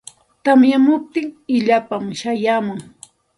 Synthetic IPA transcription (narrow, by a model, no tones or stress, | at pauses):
t̪amjamʊp̚t̪ɪŋɪʎapamʃajaːmʊŋ